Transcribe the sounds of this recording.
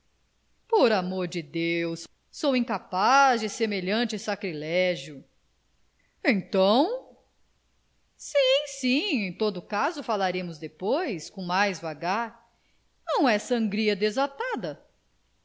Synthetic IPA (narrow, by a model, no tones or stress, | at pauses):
poɾamoɾd͡ʒɪd̪ews | sowĩkapazd͡ʒɪsemeʎɐ̃t͡ʃɪsakɾilɛʒjʊ | ẽj̃t̪ɐ̃w̃ | sĩsĩẽj̃t̪od̪ʊkazʊfalaɾẽmʊzd̪epojskõw̃majzvaɡaɾ | nɐ̃w̃ɛsɐ̃ŋɡɾiɐd̪ezat̪ad̪ɐ